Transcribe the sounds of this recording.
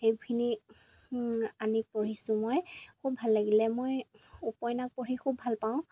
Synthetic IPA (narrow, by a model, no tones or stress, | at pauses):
ejbʰini | anipoɹisʊ̃mojkʰub̚ʱalːaɡilɛmojupɔjnak̚poɹikʰubʱalpaʊ̃